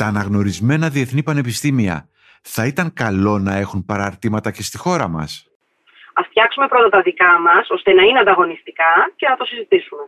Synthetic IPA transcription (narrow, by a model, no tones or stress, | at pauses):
t̪ɐːnɐɣno̞ɾizme̞nɐðie̞θnipɐne̞pist̪imiɐ̰ | θɐit̪ɐŋkɐlo̞nɐe̞xunpɐɾɐɾt̪imɐt̪ɐce̞st̪ixo̞ɾɐmɐ̰s | ɐft̪çɐksume̞pɾo̞t̪ɐt̪ɐðikɐmɐso̞st̪e̞nɐineɐnd̪ɐɣo̞nist̪ikɐce̞nɐt̪o̞sizit̪isume̞